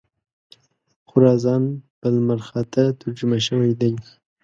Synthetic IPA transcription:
xʊɾɑzɑnb̥əlmaɾxat̪at̪aɾd͡ʒumaʃəwajd̪aj

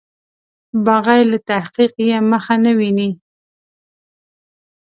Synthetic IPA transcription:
baɣajlat̪ahqiqjeməxanawini

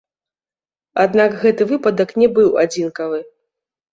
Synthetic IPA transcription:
ad̪nakɣɛt̪ɨvɨpɐd̪ɐknʲɛbɨwad͡zʲinkɐvɨ

